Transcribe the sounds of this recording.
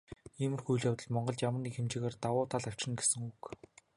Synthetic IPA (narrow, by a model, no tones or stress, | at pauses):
iːmɘ̆rxujɮjawt̪ə̆ɮmɔɴɢɞ̆ɮt͡ɕjamə̆rniːxemt͡ɕɪːɣeːrt̪awʊːt̪ʰaɮaw̥t͡ɕɪ̆nɡesɘ̆ŋuk